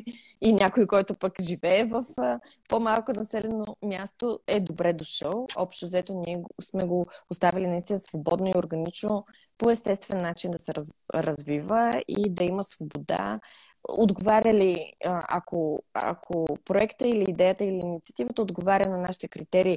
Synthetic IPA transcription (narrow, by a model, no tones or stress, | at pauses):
inʲakojkɔjt̪opəkʒivɛːvɐf | pomalˠkonɐsɛlɛnomʲjast̪oɛd̪obɾɛd̪oʃəlˠɔ̰pʃt̪ozɛt̪oniɛsmɛɡopost̪avʲilinɐist̪inəsvobɔd̪noioɾɡɐnit͡ʃno | poɛst̪ɛst̪vɛnːat͡ʃind̪ɐsɛɾɾɐzvivəḭd̪ɐiməsvobod̪a̰ | od̪ɡovaɾʲəliɐ̰koɐ̰kʰopɾoɛkt̪əiliːd̪ɛjət̪əiliːnit̪siɐ̥t̪ivət̪əod̪ɡovaɾʲənɐnaʃi̥t̪ɛkɾit̪ɛɾiː